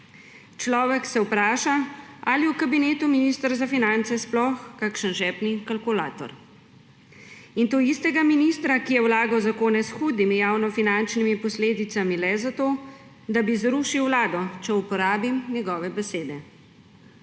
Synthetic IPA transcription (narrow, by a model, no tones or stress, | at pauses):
t͡ʃlɔːʋɛksɛwpɾaːʃaaliwkabineːt̪uminist̪əɾzafinant̪sɛsplɔxkakʃənʒɛːpnikalkula̰ːt̪ɔ̰ɾ | int̪oːist̪ɛɡaminist̪ɾakijɛwlaːɡawzakoːnɛsxuːd̪nimijaːwnɔfinant͡ʃnimipɔsleːd̪it̪samilɛzat̪oː | d̪abizɾuʃiwːlaːd̪ɔt͡ʃɛupɔɾaːbimnɛɡɔːʋɛbɛseːd̪ɛ